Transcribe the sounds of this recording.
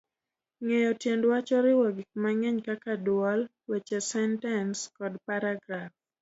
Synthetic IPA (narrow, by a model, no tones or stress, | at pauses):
ŋejɔtjendwat͡ʃɔɾɪwɔɡik̚maŋɛɲkakadwɔl | wɛt͡ʃɛsɛntɛnskɔdpaɾaɡɾaf